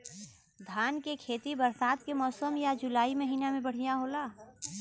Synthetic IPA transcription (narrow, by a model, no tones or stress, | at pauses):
d̪ʱaːnkekʰeːt̪ibɐɾsaːd̪kemɔːsəmjad͡ʒʊlaːimɐɦiːnamẽbɐɽ̤ijaɦoːlaː